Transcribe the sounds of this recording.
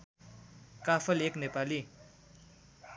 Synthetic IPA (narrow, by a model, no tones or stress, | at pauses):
kaːfʰəleːkneːpaːliː